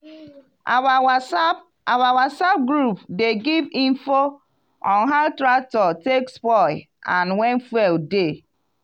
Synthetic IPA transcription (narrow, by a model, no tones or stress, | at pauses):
awawasap̚ɡɾupdeɡivĩnfo | ɔ̃nɦaʊtɾak̚tɔtekspɔɪ | ʔãnwɛ̃nfwɛlde